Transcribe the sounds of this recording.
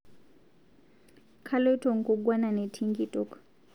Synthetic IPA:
kʰa˦lɔ˦tɔ˨ŋ̩˨kɔ˨ɡwa˦na˨nɛ˨tʰi˦ŋɡi˦tɔ˦k

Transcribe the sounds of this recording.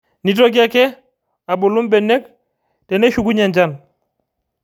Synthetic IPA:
ni˦tɔ˦ɡ̬i˦a˦kɛ˦ | a˨bo˨lu˦mbɛ˨nːe˦k̚ | te˨ne˦ʃu˨ɡu˦ɲa˨nd͡ʒa˦˨n

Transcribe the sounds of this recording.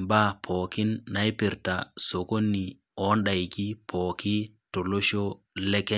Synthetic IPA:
mba˦pʰɔ˨kɪ˦nːa˨i˦pɪ˨ɾta˨so˨ko˦nːi˨ | ɔ˨˦nɗa˨i˨ki˦pʰɔ˨kɪ˦ | to˨lo˦ʃo˦ | lɛ˦kɛ˦

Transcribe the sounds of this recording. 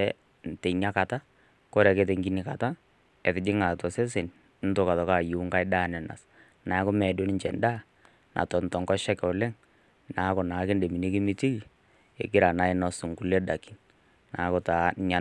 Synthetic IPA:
ɛ | tɛ˨ɲa˦ka˨ta˦ | kɔ˦ɾɛ˨ke˨˦te˨ŋɡi˦nɪ˨ka˨ta˦ | ɛ˨tɪ˨d͡ʒɪ˦ŋa˨tɔ˨sɛ˦s̬e˨n˦ | n̩˦to˦ka˨tɔ˨ka˦˨ju˨˦ŋka˦ɪ˦da˦˨nɛ˨na̰˨s | na˨˦kɔ˦mɛ˨do˦nɪ˦ɲt͡ʃɛ̰˨nda˦ | nʔa̰˨tɔ˨n˨tɔ˨ŋkɔ˦ʃɛ˦kɛ˨ʊ˨lɛ˦ŋ | na˨˦kɔ˨na˨˦kɪ˦nde˨mi˨ni˦ki˦mɪ˦ti˦i˨ | ḛ˨ɡɪ˦ɾa˨na˦ɪ˦nɔ˨sʊ˨ŋku˨lɛ˦da˨ki̥˦n | na˨˦kɔ˨ta˨ɲa˦

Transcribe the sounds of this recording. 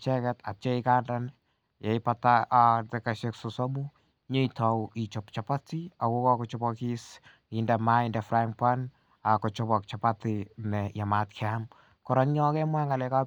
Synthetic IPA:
t͡ʃɛ˦kɛ˦ta̰˨t͡ʃe˦ika˦ndan | jɛ˨ipatatɛka˨ʃeksosɔ˦mu˦ | ɲo˦itɔ˨wi˨t͡ʃɔpt͡ʃa˨pa˦ti˦a˨ko˦kɔ˦kɔt͡ʃɔbɔki˦s | indɛ˨ma˦indɛfɾa˦ŋpa˦n | a˨kɔt͡ʃɔbɔk̚t͡ʃapatinɛja˨matkʰɛam | kɔɾɔ˦ŋɲɔ˦kɛ˦mwa˦ŋa˨lɛka˦

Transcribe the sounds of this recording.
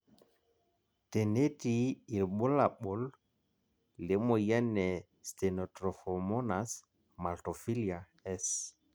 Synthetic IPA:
te˨ne˦tiː˨lɓʊ˦la˨ɓʊ˨˦l | le˨˦mo˨jɛ˦nɛ˨ | ste˨nɔ˨tɾɔ˨fɔ˨mɔ˦na˨s | ma˨lto˨fi˦li˨a˨ | ɛ˦s

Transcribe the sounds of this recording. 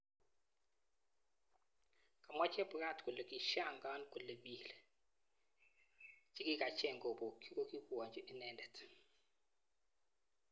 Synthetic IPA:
ka˨mwa˦t͡ʃɛ˦pɾa˦˨tku˨le˨ki˨ʃa˦˨ŋɡa˦nkɔ˨le˨bi˨l | t͡ʃi˦ki˦ka˨t͡ʃɛ˦˨ŋɡo˨bo˨ki˦ko˦ki˦kwɔ˨ɲd͡ʒɔ˨ʔi˦nɛ˨ndɛ˨t

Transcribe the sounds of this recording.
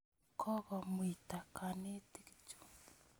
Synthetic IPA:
kʰɔ˦ɣɔ˨mwi˨ta˨kʰa˨ne˦ti˦kt͡ʃu̥˨

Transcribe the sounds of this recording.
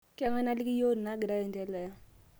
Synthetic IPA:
kɛ˦˨˦ŋɛ˦na˦li˦ki˦jo˦n˨na˦ɡi˨ɾa˦je˨ntɛ˦lɛ˨ja˦

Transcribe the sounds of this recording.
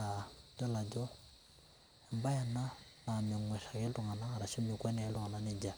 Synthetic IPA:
a˨d͡ʒɔ˦la˨d͡ʒɔ˦ | ɛ˨mba˦ja˨na˦ | na˨mɛ˨ŋwɛ˨ʃa˨kɛ˦ltu˨ŋa˨na˦a˨ɾa˨ʃi˦mɪ˨kwɛ˦nɛ˨ɛ˦ltu˨ŋa˨na˨˦nɛ˦d͡ʒa˨

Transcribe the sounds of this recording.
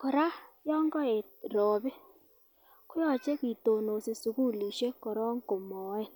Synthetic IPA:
kɔ˨ɾa˦jɔ˦ŋɡɔ˦e˨tɾɔː˨bɪ˦ | kʊ˦jɔ˦˨t͡ʃe˦ki˨to˨no˨si˨su˨ku˦li˨ʃe˦kɔ˨ɾɔ˦ŋko˨mɔ˨e˦˨

